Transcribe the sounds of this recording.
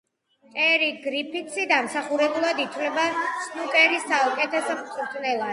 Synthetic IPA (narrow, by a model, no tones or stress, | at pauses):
pʼɛɾiɡɾipʰit̪sid̪amsaχuɾɛbulˠad̪it̪ʰwlɛbatt̪sʰʼnukʼɛɾist̪aɔkʼɛt̪ʰɛsmχʼuɾt̪ʰʼnɛlˠa